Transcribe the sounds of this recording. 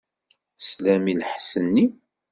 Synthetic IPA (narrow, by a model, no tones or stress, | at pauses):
slæmilħsənːi